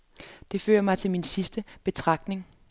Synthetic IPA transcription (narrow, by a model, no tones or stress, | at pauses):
d̥e̝fø̰ːɐmɑ̈ɪt͡sʰe̝lminsisd̥əb̥e̝t͡sʰʁɑ̈ɡ̥d̥ne̝ŋ